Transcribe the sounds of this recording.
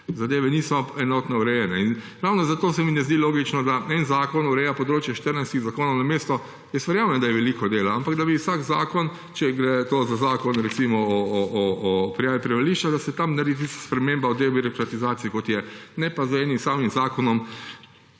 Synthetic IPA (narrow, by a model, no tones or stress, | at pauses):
zad̪eːʋɛniːsɔɛnɔt̪nɛuɾɛjɛnɛin | ɾawnɔzat̪oːsɛminɛzd̪iloːɡit͡ʃnɔd̪aɛnzaːkɔnuɾɛjapɔd̪ɾoːt͡ʃjɛʃt̪əɾnajst̪iɣzakoːnɔwnameːst̪ɔ | jɛst̪ʋɛɾjaːmjɛnd̪ajɛʋɛliːkɔd̪eːlaampaɡd̪abiwsaɡzaːkɔn | t͡ʃɛɡɾɛt̪oːzazaːkɔnɾɛtsimɔɔːpɾijaːʋipɾɛʋaliʃt͡ʃad̪asɛt̪amnaɾd̪it̪̬ist̪ḁspɾɛmembaɔd̪eobiɾɔkɾat̪izaːt̪siikot̪jɛnɛpazɛnimsaːmimzaːkɔnɔm